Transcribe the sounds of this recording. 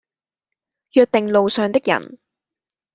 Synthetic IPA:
jyː˧t̚t̪ɪ˨ŋlo˨wsœː˨˩ŋt̪ɪ˥k̚jɐ̰˨˩n

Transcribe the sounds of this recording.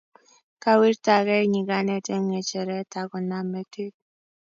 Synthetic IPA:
ka˦wi˦ɾta˨kɛ˦ɲi˨ɡa˦nɛ˨tɛ˦ŋɛ˨t͡ʃɛ˨ɾɛ˦ta˨kɔ˨na˨mɛ˦te˦

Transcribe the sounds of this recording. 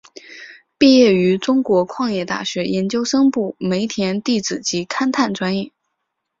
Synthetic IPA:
pi˥˧jɛ˥˩y˧˥ʈ͡ʂʊ˥ŋkwɔ˧˥kʰwɑ˥˧ŋjɛ˥˧t̪a̰˥˩ɕɥɛ˧˥jɛ˧˥nt͡ɕjo˥ʊʂɤ˥ŋpu˥˩me˧˥ɪt̪ʰjɛ˧˥nt̪i˥˩t͡sɹ̩˨˩t͡ɕi˧˥kʰa˥nt̪ʰa˥˩nʈ͡ʂwa˥njɛ˥˩

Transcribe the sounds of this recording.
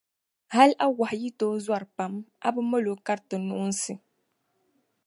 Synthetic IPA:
ha˦lʔa˦wa˨hji˦toː˦zwa˦˨ɾpa˨ma̰˦bɨ˦mo˦lo˨˦ka˦ɾtɨ˨nu˦ʔʊ˦n̩˦sɨ˨

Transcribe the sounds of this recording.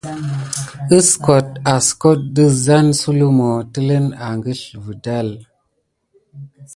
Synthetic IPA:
ə˦sko˨t̚a˨sko˦t̚də˦za˦nsu˦lu˦mo˨tə˦lə˦na˨ŋɡə˦ɬvə˨da˦˨l

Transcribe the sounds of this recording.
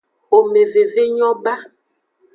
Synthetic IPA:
o˨me˨ve˨ve˦ɲɔ̃˦ba˦

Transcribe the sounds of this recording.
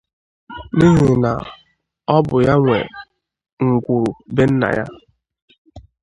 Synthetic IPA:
ni˦ɦe˨na̰˨ | ɔ˦bʊ˨ja˦ŋʷḛ˨ | ŋ̩˨ɡʷu˨ɾu˨be˦n̩˦na̰˨ja̰˦

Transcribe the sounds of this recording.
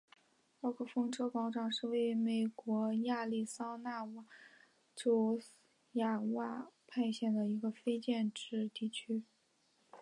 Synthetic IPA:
ɑ˥˩kʰɤ˥˩fɤ˥ŋʈ͡ʂɤ˥ʊpɑ˧˥ʊʈ͡ʂɑ˨˩ŋʂɻ̩˥˧we˥˩ɪy˥me˨˩ɪkwɔ˧˥ja˥˧li˥˩sɑ˥ʊna˥˧wa˥˩ | ʈ͡ʂo˥ʊ | ja˥˩wa˥˩pʰa˥˧ɪɕjɛ˥˩nd̪ə˩i˧˥ɡə˧fe˥ɪt͡ɕjɛ˥˧nʈ͡ʂɻ̩˥˧t̪i˥˩t͡ɕʰy˥

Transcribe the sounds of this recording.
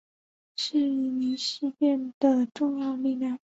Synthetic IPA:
ʂɻ̩˥˩˧ni˧˥ɕ̩˥˧pjɛ˥˩nd̪̥ə˩ʈ͡ʂʊ˥˧ŋjɑ˥˧ʊli˥˧ljɑ˥˩ŋ

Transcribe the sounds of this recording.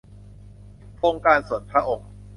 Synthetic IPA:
kʰo˥˩ŋkaː˧nsu˨˩ənpʰɾa˦˥ʔo˨˩ŋ

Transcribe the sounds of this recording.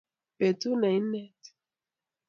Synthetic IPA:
pɛ˨tu˦na˨i˦nɛ˦t

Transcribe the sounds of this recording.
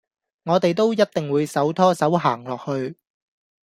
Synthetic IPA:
ŋɔː˨˧t̪e˨jt̪̬o˥wjɐ˥t̚t̪ɪ˨ŋwuː˨˧jsɐ˨˥wt̪ʰɔː˥sɐ˨˥wɦaː˨˩ŋlɔː˨k̚hɵ˧ɥ

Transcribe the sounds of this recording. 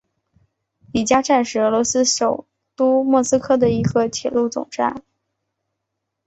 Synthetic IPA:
li˨˩t͡ɕja˥ʈ͡ʂa˥˩nʂɻ̩˨˩ɤ˧˥lwɔ˧˥sɹ̩˥ʂo˨˩ʊ | t̪u˥mwɔ˥˩sɹ̩˥kʰɤ˥˩d̪ə˩i˧˥ɡə˧t̪ʰjɛ̰˨˩lu˥˩t͡sʊ̰˨˩ŋʈ͡ʂa̰˥˩n

